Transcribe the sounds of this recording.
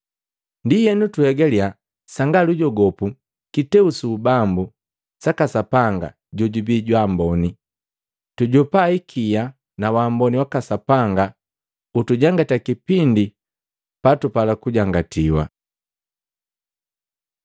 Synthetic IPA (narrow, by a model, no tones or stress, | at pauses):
ndijɛnutuhɛɡalia | saŋɡaluɟɔɡɔpu | kitɛusuːbambu | sakasapaŋɡa̰ | ɟɔɟubiɟwambɔni | tuɟɔpaikʰija | nawaːmbɔniwakasapaŋɡa | utuɟaŋɡatakipindi | patupalakuɟaŋɡatiwa̰